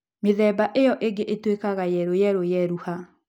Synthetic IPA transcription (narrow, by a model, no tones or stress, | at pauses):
meðɛbaʔejɔʔeɡeʔetwekaɣajɛɾojɛɾojɛɾuha